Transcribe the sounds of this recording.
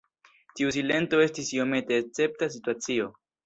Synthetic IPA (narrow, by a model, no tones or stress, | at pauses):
tius̬ile̞nto̞e̞stisio̞me̞te̞ːt͡se̞p̚tas̬ituat͡sio̞